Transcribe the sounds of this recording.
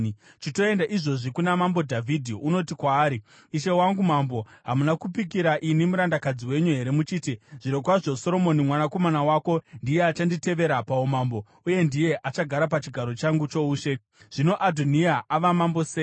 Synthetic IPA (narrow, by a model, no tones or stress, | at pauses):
t͡ʃito̞e̞ndaʔiʐo̞ʐikunamambo̞dʱavʱidʱiuno̞tikwaːɾi | iʃe̞waŋɡumambo̞ɦamunakupik̬iɾaʔinimuɾandakad͡ziwe̞ɲuɦe̞ɾe̞mut͡ʃiːtiʐ̥iɾokwaʐo̞so̞ɾo̞mo̞nimwanako̞manawako̞ndije̞at͡ʃandite̞ʋe̞ɾapaomambo̞ | uje̞ndije̞ʔat͡ʃaɡʱaɾapat͡ʃiɡʱaɾo̞t͡ʃaŋɡut͡ʃo̞uːʃe̞ | ʐ̥ino̞ʔadʱoniaaʋamambose